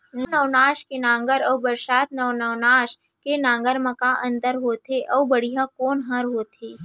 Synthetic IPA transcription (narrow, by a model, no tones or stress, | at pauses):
nnəʋnaːʃkenãːŋɡəɾɔːbəɾʃaːt̪nəʋnɐʋnaːʃ | kenãːŋɡəɾmɐ̃kaʔə̃nt̪əɾɦoːt̪eʔɔːbəɽijakoːnɦə̃ɾɦoːt̪eː